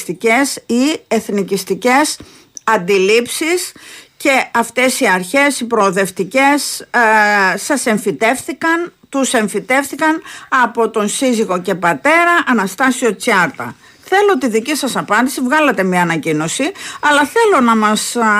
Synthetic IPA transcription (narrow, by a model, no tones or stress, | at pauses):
st̪ice̞sieθnicist̪ice̞s | ɐnd̪ilipsisce̞ɐft̪e̞siɐɾçe̞sipɾoːðe̞ft̪ice̞s | sɐse̞ɱfit̪e̞fθikɐnt̪use̞ɱfit̪e̞fθikɐnɐpo̞t̪o̞nsiziɣo̞ce̞pɐt̪e̞ɾɐʔɐnɐst̪ɐsio̞t͡sɐɾt̪ɐ̰ | θe̞lot̪iðicisɐsɐpɐnd̪isivɣɐlɐt̪e̞mɲɐːnɐcino̞siɐlɐθe̞lo̞nɐmɐs